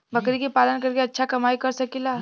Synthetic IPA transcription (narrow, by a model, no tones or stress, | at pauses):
bəkɾikipalənkəɾkeɐtːʃʰakɐmaikəɾsəkila